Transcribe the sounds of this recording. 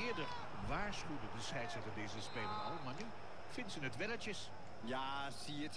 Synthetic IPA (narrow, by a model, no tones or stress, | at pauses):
ɪːɹdəɹ | ʋaːɹsχywdədəsɛjtsɛtədeːzəspeːlənɔlˠmany | fɪntsənətʋɛnət͡ʃəs | jaː | siət